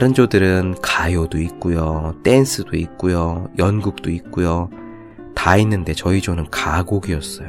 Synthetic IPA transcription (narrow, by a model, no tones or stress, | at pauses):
aɾɯnd͡ʑodɯɾɯnkajodoik̚k͈ujot͈e̞nsʰɯd̥oik̚k͈ujojʌnɡuk̚t͈oik̚k͈ujo | tainːɯnde̞t͡ɕʌid͡ʑonɯnkaɡoɡiʌs͈ʌjo